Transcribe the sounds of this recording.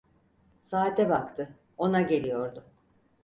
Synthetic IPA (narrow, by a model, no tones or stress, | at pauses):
saːt̪ʰɛbakt̪ʰɯ | o̞naɟelʲijo̞ɾd̪ʊ